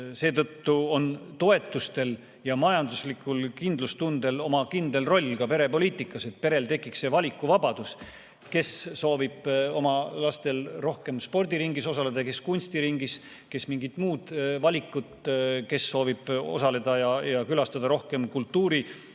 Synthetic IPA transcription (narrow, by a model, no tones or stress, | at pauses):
se̞ːt̪ɤ̞t̪ːuo̞nt̪o̞e̞t̪ːˑust̪e̞l | jɑmɑjɑnd̪uslikːˑulkind̪̥lust̪und̪̥e̞lo̞mɑkind̪̥e̞lro̞lʲːkɑpe̞ɾe̞po̞liːt̪ːˑikːˑɑse̞t̪̚pe̞ɾe̞lt̪e̞kːˑiksːe̞vɑlʲikːˑuvɑbɑd̪̥us | ke̞sːo̞ːvib̥o̞mɑlɑst̪e̞lro̞hke̞mspo̞rd̪ʲiɾiŋɡiso̞sɑle̞d̪̥ɑke̞skunʲst̪iɾiŋɡis | ke̞smiŋɡit̪ːˑmuːd̪̥vɑlʲikːˑut̪ke̞sːo̞ːvib̥o̞̰sɑle̞d̪̥ɑjɑjɑkylɑst̪ɑd̪ɑɾo̞hke̞mkult̪ːuːɾi